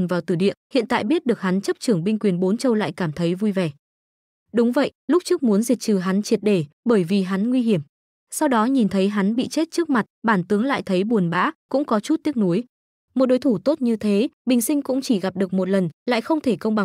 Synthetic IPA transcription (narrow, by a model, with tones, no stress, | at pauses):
nvaː˨˩wt̪ɨ˧˩ɗḭ˧˨ənhḭ˧˨ənt̪a̰ː˧˨jɓi˦˥ət̚ɗɨ˨˩ək̚ha˨˦nt͡ɕə˦˥p̚t͡ɕɨ˧˩əŋɓï˧ŋ̟kwi˨˩ənɓo˨˦nt͡ɕə˧wla̰ː˧˨jkaː˧˩mt̪ʰə˨˦jvu˧jvɛ˧˩ | ɗʊ˨˦ŋ͡mvə̰˧˨jlʊ˦˥k͡p̚t͡ɕɨ˦˥ək̚mu˨˦ənzi˨˩k̚t͡ɕɨ˨˩ɦa˨˦nt͡ɕi˨˩t̚ɗe˧˩ɓəː˧˩jvi˨˩ɦa˨˦nŋwi˧ɦi˧˩əm | sa˧wɗɔ˨˦ɲi˨˩nt̪ʰə˨˦jɦa˨˦nɓḭ˧˨t͡ɕe˦˥t̚t͡ɕɨ˦˥ək̚ma˨˩t̚ɓaː˧˩nt̪ɨ˨˦əŋla̰ː˧˨jt̪ʰə˨˦jɓu˨˩ənɓa̰ː˧˥kʊ̰˧˥ŋ͡mkɔ˨˦t͡ɕu˦˥t̚t̪i˦˥ək̚nu˨˦əj | mo˨˩ɗo˨˦jt̪ʰu˧˩t̪o˦˥t̚ɲɨ˧t̪ʰe˨˦ɓï˨˩ŋ̟sï˧ŋ̟kʊ̰˧˥ŋ͡mt͡ɕi˧˩ɣa˨˩p̚ɗɨ˨˩ək̚mo˨˩t̚lə˨˩nla̰ː˧˨jxə˧wŋ͡mt̪ʰe˧˩kə˧wŋ͡mɓa˨˩